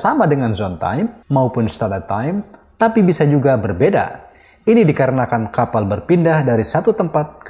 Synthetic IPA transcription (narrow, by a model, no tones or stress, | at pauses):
samadəŋanzɔnt̪a̰jmːaupʊnst̪adat̪ajmt̪apibisad͡ʒuɡabərbeda̰ | inidikaɾənakankapalbərpindahdaɾisat̪ut̪əmpat̪̚k